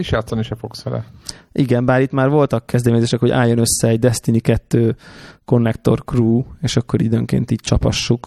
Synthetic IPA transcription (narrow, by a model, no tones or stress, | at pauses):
iʃjaːt̪sɒniʃɛfoksfɛlɛ̰ʔiɡɛmbaːɾit̪maːrvo̞lt̪ɒkːɛzd̪ɛmeːɲzeːʃɛkho̞ɟa̰ːjːo̞nø̞sːɛːɟd̪ɛst̪inikɛt̪ːøːko̞nːɛkt̪o̞̰rkruːeːʃɒkːo̞ɾḭd̪øŋkḛːnt̪iːc̚t͡ʃɒphɒ̰ʃːuk